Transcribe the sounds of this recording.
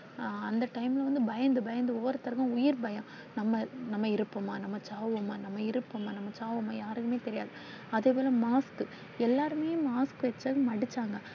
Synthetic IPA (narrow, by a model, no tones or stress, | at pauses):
ɐnd̪ɐʈɐɪmɪlɐʋɐnd̪ɯbɐjɐnd̪ɯbɐjɐnd̪ɯɔːɾɐt̪ɐɾɣɐ̃ʊjɪɾbɐjɐ̃ | nɐmːɐnɐmːɐɪɾɯpːomaːnɐmːɐt͡ʃaːʋʋoːmaːnɐmːɐɪɾɯpːomːaːnɐmːɐt͡ʃaːʋomːaːjaːɾɯkɯmeːt̪ɛɾɪjaːðɯ | ɐðeːpoːlɐmaːskɯ | ɛlːaːɾɯmeːjʊ̃maːskɯʋɛt͡ʃːɐɣ̃mɐɽɪt͡ʃːaːŋɡɐ